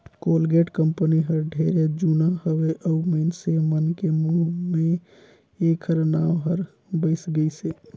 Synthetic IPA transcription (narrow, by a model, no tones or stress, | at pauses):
kolɡeʈkəmpəniɦəɾɖʱeɾed͡ʒunaɦəweʔəuməɪnsemənkemuɦme | ekʰəɾnawɦəɾ | bəɪsɡəɪse